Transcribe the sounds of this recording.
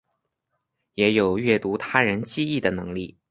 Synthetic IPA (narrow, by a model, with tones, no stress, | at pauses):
jɛ˧˥jo˨˩ʊɥɛ˥˩t̪u˧˥t̪ʰa˥ɻə˧˥nt͡ɕi˥˧i˥˩d̪ə˩nɤ˧˥ŋli˥˩